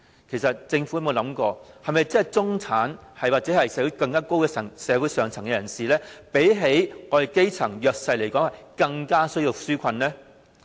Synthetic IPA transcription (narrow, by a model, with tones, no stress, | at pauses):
kʰe˨˩sɐ˨t̚t͡sɪ˧ŋfu˨˥˨mo˨˧lɐ˨˥mkɔː˧hɐ˨jmɐ˨jt͡sɐ˨˩jt͡sʊ˥ŋt͡sʰaː˨˥n | hɐ˨jwaː˨k̚t͡sɛː˨˥hɐ˨jsɛː˨˥wu˨˧˥kɐ˧ŋkaː˥ko˥wkɛː˧sɐ˨˩ŋsɛː˨˥wu˨˥jsœː˨ŋt͡sʰɐ˨˩ŋkɛ˧jɐ˨˩nsiː˨˩lɛː˥pe˨˥jɦe˨˥jŋɔː˧˨ke˥jt͡sʰɐ˨˩ŋjœː˨k̚sɐ˧jle˨˩jkɔː˨˥ŋhɐ˨jkɐ˧ŋkaː˥sɵ˥ɥji˧wsyː˥kʷʰɐ˧nlɛː˥